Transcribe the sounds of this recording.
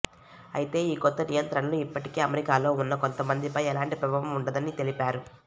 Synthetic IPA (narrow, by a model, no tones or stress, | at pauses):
ɐ̰jit̪e̞ːiːkɔt̪ːɐnijɐnt̪ɾɐɳɐluipːɐʈikeːɐmeɾikaːlo̞ːunːɐko̞nt̪ɐmɐnd̪ipɐjɛlaːɳʈipɾɐbʱɐʋɐmuɳɖɐd̪ɐnit̪e̞lipaːɾu